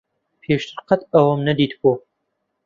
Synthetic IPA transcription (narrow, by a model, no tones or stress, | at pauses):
pʰeːʃt̪ɨɾqɐt̪ʰɐwɐmnɐd̪iːt̪boː